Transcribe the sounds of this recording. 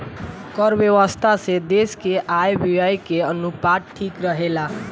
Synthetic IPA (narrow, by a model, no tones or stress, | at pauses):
kəɾbjewəst̪ʰased̪eskeʔajbiajkeənupaʈ̚ʈʰikɾəɦela